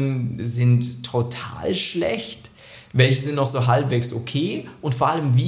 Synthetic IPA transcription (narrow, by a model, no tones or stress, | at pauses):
nzɪntʰːotʰa̰ːlʃlɛ̰çt | vɛlçəzɪntnɔxz̥oːɦalpv̥eːkso̰kʰeːʔʊntfoːɐʔaləmviː